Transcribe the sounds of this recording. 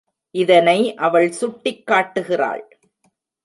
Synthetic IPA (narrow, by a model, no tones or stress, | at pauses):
ʔɪðɐnɐɪʔɐʋɐɭsʊʈːɪkːaːʈːɯɣɪra̰ːɭ